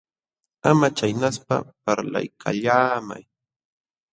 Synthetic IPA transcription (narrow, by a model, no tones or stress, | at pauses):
amat͡ʃajnaspa̰paɾla̰jkʰaʎaːma̰j